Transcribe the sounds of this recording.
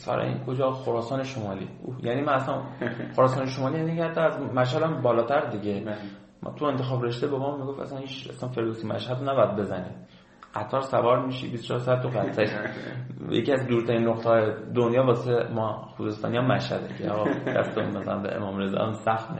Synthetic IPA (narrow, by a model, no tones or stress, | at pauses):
fæ̰ɾɒ̰jḭnkʰod͡ʒɒːxoɾɒːsɒːneʃomɒːlḭːujæniːmænæsænxoɾɒːsɑːneʃomɒːlijænikʰæɾt̪ʰææzmæʃ̬hæd̪æmbɒːlɒːt̪ʰæɾd̪iɟe | m̰ːt̪ʰue̞nt̪ʰe̞xɒːbɾeʃd̪ebemɒːmːiɡo̞fæ̰sænhiːt͡ʃæ̰sænfe̞ɾd̪osimæ̰ʃhæd̪næbɒjæd̪̚be̞zæniː | ɢ̥æt̪ʰːɒːɾsævɒːɾmiːʃḭbist͡ʃʰɒːɾsæd̪̚t̪ːuɣæt̪ʰːæɾi | jḛciæzd̪uːɾt̪ʰæɾinːoqt̪eɒːjed̪onjɒːbɒːsemɒxuːzest̪ɒ̰ːnijɒmæʃhæ̰d̪ecʰeɒɣɒd̪æ̰st̪eṵnmææ̰lænbḛʔḛmɒːmɾezɒ̰æmsæxt̪mḭ